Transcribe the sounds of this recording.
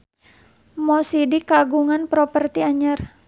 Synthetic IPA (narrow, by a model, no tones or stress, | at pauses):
mɔsidikaɡuŋanpɾɔpərt̪iaɲər